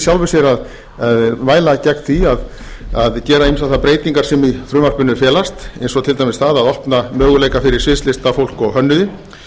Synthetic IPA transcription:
sjawlvʏsjɛɾað | aðvaːjlacɛknθiað | aðcɛːɾaejmsaθapɾeːjt̪iŋkaɾ̥sɛmiθɾʏːmar̥kʏnːʏfjɛːlast̪ɛjnsɔt̪ʰɪlt̪ajmɪsθaðaðɔhpnamœːɣʏleːjkafɪɾɪɾ̥svɪːst̪lɪst̪afowl̥kɔɣɦœnːʏðɪ

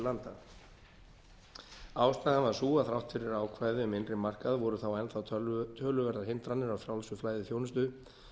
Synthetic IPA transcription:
lant̪a̰ | aːwst̪aːɣavaɾ̥suːaθɾawht̪fɪɾɪɾaːwkʰvaːjðɪʏmɪnrɪmar̥kaðvɔɾʏθawɛnθawʰt̪ʰœːlʏvɛɾðaɾɦɪnt̪ɾanɪɾawθjawlsʏflaːjðɪθjownʏst̪ʏ

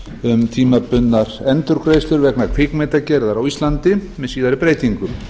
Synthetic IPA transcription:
ʏmt̪ʰiːmapʏnːaɾ̥ɛnt̪ʏɾkɾejst̪ʏɾvɛknakʰfɪknmɛt̪acɛɾðaɾawist̪lant̪ɪmɛðsiːðaɾɪpɾeːjt̪iŋkʏm

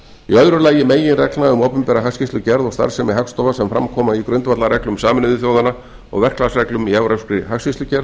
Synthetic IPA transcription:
iœðɾʏlaːjɪmeːjɪnrɛklaʏmɔwpʏmpɛːɾaɦakscist̪lʏcɛɾðɔɣst̪a̰ɾr̥sɛmːɛɦakst̪ɔːvasɛmfɾa̰mkʰɔːmaikɾœnt̪vat̪laɾɛklʏmsaːmɪnʏðʏθjoːwðana | ɔ̰ɣvɛr̥klasrɛklʏmiɛvɾawskɾɪɦakscist̪ʏcɛɾð

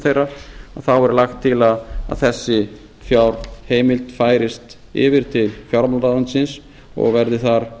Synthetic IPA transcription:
θejraaðθawɛɾʏlaxt̪ʰːɪlaða̰ðθɛsːɪ | fjawɾ̥heːjmɪlt̪faːjɾɪst̪ | ɪ̰vɪɾ̥t̪ʰɪlfjawɾamalaansɪns | ɔ̰ɣvɛɾðɪθaɾ̥

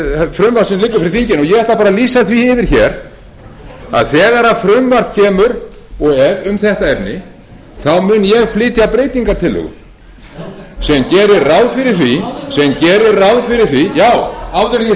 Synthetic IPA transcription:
fɾʏmvaɾsɛmlɪkːʏfɪɾɪɾθiɲcɪnɔjɛɣɛht̪apaːɾaliːsaθviɪðɪɾ̥çɛɾ | a̰ðθɛːɣaɾafɾʏmvaɾð̥cʰɛːmʏɾ | ɔɣɛvʏmθɛht̪aɛpnɪ | θawmʏnjɛɣflɪːt̪japɾeːjt̪iŋkaɾt̪ʰɪlːʏ̰ɣ̰ | sɛmcɛːɾɪɾrawðfɪɾɪɾ̥θvisɛmcɛːɾɪɾrawðfɪɾɪɾ̥θvijaːwavðʏɾ

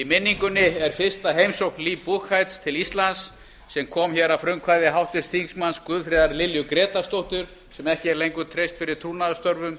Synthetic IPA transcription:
imɪnːiŋkʏnːɪɛɾ̥fɪ̥st̪aɦejmsowhknliːpuxajt̪st̪ʰɪlist̪lansː | ɛmkʰɔːmçɛɾafɾʏmkʰvaːjðɪɦawht̪ɪst̪ʰiŋsmanskʏːðfɾɛːðaɾlɪljʏkɾɛːt̪ast̪owht̪ʏɾ̥ | sɛmɛhcɪɛɾlejŋkʏt̪ʰɾejst̪fɪɾɪɾ̥t̪ʰɾuːnaðst̪œɾvʏm

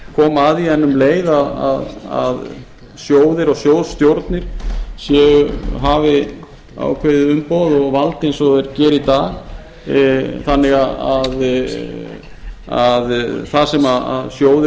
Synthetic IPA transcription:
kʰɔːmaðiðɛnːʏmleːjðaða̰ða̰ð | sjoːwðɪɾɔɣsjoːwðst̪jowɾt̪nɪɾ̥sjɛɣɦavɪ | a̰ːwkʰvejðɪʏmpowðɔɣvalt̪ɪejnsɔɛɾcɛːɾit̪aːɣ | θanːɪɣaað | aðθasɛmaa̰ðsjoːwðɪ

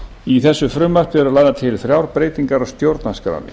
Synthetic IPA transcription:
iθɛsːʏfɾʏmːar̥p̪ɛɾʏlajðat̪ʰɪlfɾjawɾpɾeːjt̪iŋkaɾast̪jowɾt̪naskɾa̰nːɪ̰

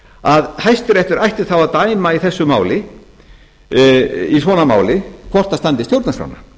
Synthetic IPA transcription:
aðhajst̪ʏɾɛht̪ʏɾajht̪ɪ̥θawaðt̪aːjmaiθɛsːʏmaːwlɪ | isvɔːnama̰ːwlɪkʰvɔr̥t̪ast̪ant̪ɪst̪jowt̪nasfɾa̰wna

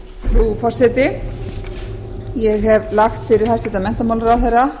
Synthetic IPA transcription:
fɾufɔr̥sɛt̪ɪ | jɛɣɦɛvlaxt̪fɪɾɪɾ̥hast̪ɛːt̪amɛn̥t̪amawlɾawθɛjra

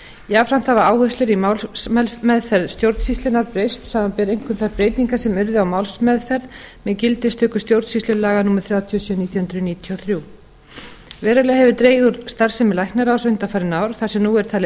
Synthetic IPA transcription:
jafɾam̥t̪θavaaːwhœst̪ʏɾimawlsmɛlmɛðfɛɾðst̪jowɾt̪sist̪ɪnaɾpɾejst̪saːmampɛːɾejŋkʰʏmθaɾpɾeːjt̪niŋkḁsɛmœɾðʏawmaːwlsmɛðfɛɾðmɛcɪlt̪ɪst̪ʰʏːkʏ̥st̪jowɾt̪sist̪ʏɾlaːɣanuːmaɾ̥θɾjaːwt̪ʰiɔsiɔniːt̪jhʏnt̪ɾʏniːt̪ʰiɔθɾjuː | vɛːɾalɛɣahɛvʏt̪ɾeːjðʏɾst̪ar̥sɛmɪlajknaɾawsœɥjnt̪afaːɾɪnaːwɾ̥θasɛmnuːɛɾ̥t̪ʰaːl

